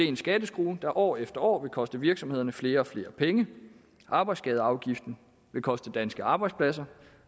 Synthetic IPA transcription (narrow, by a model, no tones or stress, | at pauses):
ensɡ̥ɛːd̥əsɡ̥ʁuːd̥ɑ̈ʔɒ̰ːefd̥ɐɒ̰ːʋe̝lkʰɒ̽sd̥əʋiɐɡ̥sɒ̽me̝ð̞̰ˠɐnəfle̝ːɐɒ̽fle̝ːɐpʰeŋə | ʔɑ̈ːb̥ɑ̈ɪdsɡ̥ɛð̞ˠɑ̈ʊɡ̥ifd̥n̩ | ʋe̝kʰɒ̽sd̥əd̥ænsɡ̥əɑ̈ːb̥ɑ̈ɪ̥spʰlæsɐ